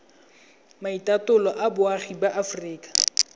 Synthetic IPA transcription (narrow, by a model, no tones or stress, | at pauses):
maitatʊlɔʔabʊaχibaʔafriːkḁ